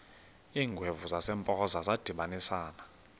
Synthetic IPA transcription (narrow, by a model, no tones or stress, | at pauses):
iːŋɡʱwevuzasɛmpʼɔzazad̥ʱiɓanisaːna